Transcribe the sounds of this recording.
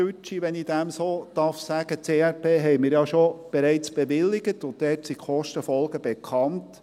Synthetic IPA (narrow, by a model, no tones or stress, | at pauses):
yt͡ʃiʋɛnid̥æmsoːd̥ɑɾfsæɡət͡seːɛɾpʰeːɦɛjmɪːɾjɑʃob̥eɾɛɪt͡sb̥eʋɪlːɪɡətʊnttɛːtsiχɔʃtəfɔlˠɡəb̥ekʰɑnt